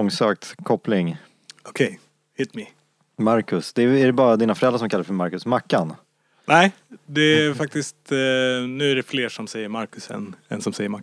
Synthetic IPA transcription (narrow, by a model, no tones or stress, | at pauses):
ɔŋsøːk̚t̪kʰɔplɪŋ | ɔkʰɛj | hɪt̪mɪ | maɾkɵsd̪ɛæɖɛbɑːɾad̪iːnafœɾɛlɾaʂɔmkʰalːɾfœəɾmaɾkɵsmakːan | næɪ | d̪ɛæɾfak̚t̪ɪst̪nʉ̟ːæɖɛfleːʂɔmsɛjːəɾmaɾkɵsɛ̰nɛ̰nsɔmsɛjəɾma